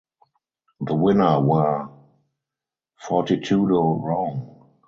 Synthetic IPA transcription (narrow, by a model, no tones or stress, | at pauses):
ðəwɪ̃nə˞wə˞ | fɔtitʰuːdoɹɔ̃ŋ